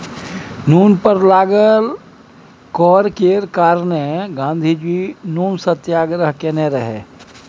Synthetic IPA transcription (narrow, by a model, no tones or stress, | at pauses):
nuːnpəɾlaːɡəl | kɔːɾkeːɾkaːɾneɡãːnd̪ʱid͡ʒiːnuːnsət̪jaːɡɾəɦkeneɾəɦḛː